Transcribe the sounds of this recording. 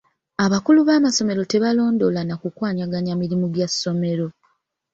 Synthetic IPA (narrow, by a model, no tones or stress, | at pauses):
aβakuluβaːmaso̞me̞ɾo̞te̞βalo̞ːndo̞lanakukwaːɲaɡaɲamilimuɡjasːo̞me̞ɾo̞